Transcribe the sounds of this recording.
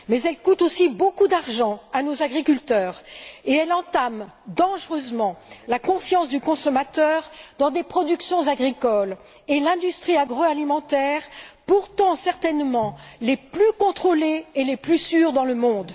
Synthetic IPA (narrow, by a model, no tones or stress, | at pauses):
mɛzɛlkut̪osibokud̪aʁʒɑ̃anozaɡʁikʲylt̪œːʁeɛlɑ̃t̪am | d̪ɑ̃ʒʁøzmɑ̃lakɔ̃fjɑ̃sd̪ykɔ̃sɔmat̪œʁd̪ɑ̃d̪epχɔd̪yksjɔ̃zaɡʁikɔl | elɛ̃d̪yst̪χiaɡʁoalimɑ̃t̪ɛʁpuʁt̪ɑ̃sɛʁt̪ɛnmɑ̃leplykɔ̃t̪χoleːleplysyʁd̪ɑ̃ləmɔ̃d̪